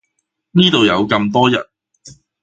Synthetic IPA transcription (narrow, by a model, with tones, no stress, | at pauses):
niː˥t̪o˨wjɐ˨˧wkɐ˧mt̪ɔː˥jɐ̰˨˩t̚